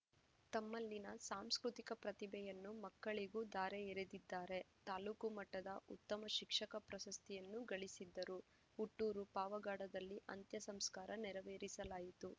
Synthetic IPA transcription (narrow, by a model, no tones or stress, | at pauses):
t̪ɐmːɐlːinɐsaːmskɾut̪ikɐpɾɐt̪ibʱɛjɐnːumɐkːɐɭiɡuːd̪aːɾeeɾed̪id̪ːaːɾe̞t̪aːluːkumɐʈːɐd̪ɐʔṵt̪ːɐmɐʃikʂɐkɐpɾɐsɐst̪ʰijɐnːuɡɐɭisid̪ːɐɾu | uʈːuːɾupaːʋɐɡaːɽɐd̪ɐlːiʔɐnt̪jɐsɐmskaːɾɐnɛɾɐʋeːɾisɐlaːjit̪u